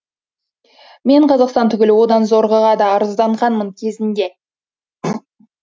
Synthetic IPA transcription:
me̞ɴqʰɑzɑqst̪ɑnt̪ʰʏɡʲɪlɪwo̞d̪ɑnzo̞ɾʁəʁɑd̪ɑːɾəzd̪ɑɴʁɑnməŋkʲʰe̞zɪnd̪e̞

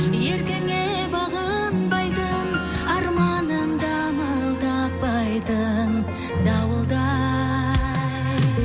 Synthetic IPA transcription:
je̞ɾkʲeŋe | bɑʁə | nbɑjd̪əɴ | ɑɾmɑnəmd̪ɑ | mɑlˠd̪ɑpːɑjd̪əɴ | d̪ɑwəlˠd̪ɑ

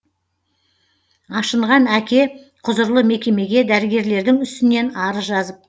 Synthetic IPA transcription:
ɑʃəɴʁɑnækʲe̞ | qʰʊzəɾlˠəme̞kʲe̞me̞ɡʲe̞d̪æɾɪɡʲe̞ɾle̞ɾd̪ɪŋʏst̪ɪne̞nɑɾəzʒɑzəp̚

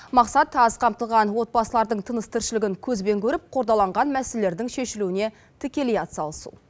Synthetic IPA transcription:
mɑqsɑt̪ɑzqʰɑmt̪əlˠʁɑnwo̞t̪̚bɑsəlˠɑɾd̪əɴt̪ʰənəst̪ʰɪɾʃɪlɪɡʲɪŋkʲʰɵzbe̞ŋkʲʰɵɾɪp̚qʰo̞ɾd̪ɑlˠɑɴʁɑnmæselele̞ɾd̪ɪŋʃe̞ʃɪluɪne̞ | t̪ʰɪkʲe̞lijɑt̪sɑlˠəsṵ

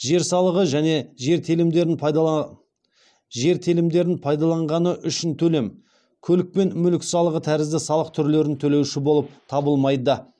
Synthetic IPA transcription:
ʒe̞ɾsɑlˠəʁəʒæne̞ʒe̞ɾt̪ʰelɪmd̪e̞ɾɪn | ʒe̞ɾt̪ʰelɪmd̪e̞ɾɪnpʰɑjd̪ɑlˠɑɴʁɑnəʔʏʃɪnt̪ʰɵle̞m | kʲʰɵlɪk̚pe̞nmʏlɪksɑlˠəʁət̪ʰæɾɪzd̪ɪsɑlˠəq̚t̪ʰʏɾle̞ɾɪnt̪ʰɵle̞wʃɪbo̞lˠəp̚t̪ʰɑbəlˠmɑjd̪ə

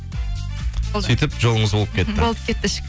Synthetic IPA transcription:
syjt̪əpʒolˠəɴəzbo̞lˠəpkʲe̞t̪ːɪbolˠəp̚kʲʰe̞t̪ːɪʃə̥

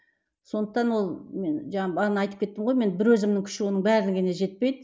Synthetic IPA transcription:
so̞nd̪əq̚t̪ɑnwo̞lˠme̞nʒɑɴɑbɑʁnɑjt̪əpkʲʰe̞t̪ːɪmʁojme̞nbɪɾwɵzɪmnɪŋkʲʰʏ̥ʃɪwo̞nəɴbæɾlɪŋɡʲeneʒe̞t̪̚pe̞jd̪ɪ

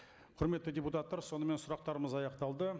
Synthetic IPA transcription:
qʰʊɾme̞t̪ːɪdʲe̞put̪at̪ːɑɾso̞nəme̞nsʊɾɑq̚t̪ɑɾəməzɑjɑqt̪ɑlˠd̪ə

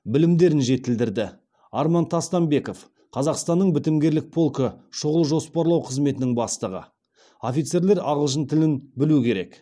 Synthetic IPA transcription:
bɪlɪmd̪e̞ɾɪnʒe̞t̪ɪld̪ɪɾd̪ɪ | ɑɾmɑnt̪ʰɑst̪ɑmbe̞ko̞f | qʰɑzɑqst̪ɑnːəɴbɪt̪ɪmɡʲe̞ɾlɪk̚pʰo̞lˠkəʃʊʁəlˠʒo̞spɑɾlˠɑwqʰəzme̞t̪ɪnɪŋbɑst̪əʁə̰ | o̞fʲijt̪se̞ɾle̞ɾɑʁəlˠʃ̬ənt̪ʰɪlɪnbɪluɪkʲʰe̞ɾe̞̰k

